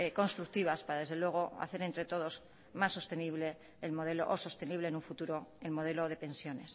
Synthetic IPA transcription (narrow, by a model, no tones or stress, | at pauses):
eko̞nst̪ɾuk̚t̪iβ̞aspaɾaðe̞zð̞e̞lwe̞ɣ̞o̞a̰θe̞ɾent̪ɾe̞t̪o̞ð̞o̞z | masːo̞st̪e̞niβle̞ː | lmo̞ð̞e̞loʔoso̞st̪e̞niβlenuɱfut̪uɾo̞elmo̞ðe̞lo̞ð̞epẽ̞nsjo̞ne̞s